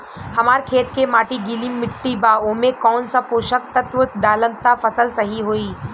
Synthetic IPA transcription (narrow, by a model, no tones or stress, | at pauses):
hɐmaːɾkʰeːt̪kemaːʈiɡilimːɪʈːibaːomẽkɔːnsapoːʃək̚t̪ət̪ʋət̪d̪aːlə̃nt̪afɐsəlsɐɦiɦoːiː